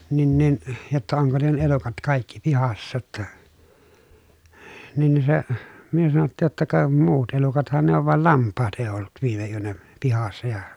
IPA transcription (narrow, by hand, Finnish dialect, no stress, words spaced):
nin nin jotːɑ oŋko ne elukɑt kɑˑikːi pihɑsːɑ tːɑ nin ni se myø sɑnotːiːj jotːɑ kɑ muːt elukɑthɑn ne oʋ ʋɑl lɑmpːɑːt eˑi̯ olːut ʋiːme yønæ pihɑsːɑ jɑ